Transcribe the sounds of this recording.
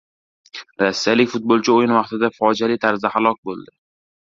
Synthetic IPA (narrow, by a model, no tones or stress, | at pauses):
ɾasːijalɪkʲfʊt̪̚bolˠt͡ʃʰɪojɪnvɑχt̪ɪd̪afɒd͡ʒalɪt̪ʰaɾzd̪ahalˠɒk̚ʲbolˠd̪ɪ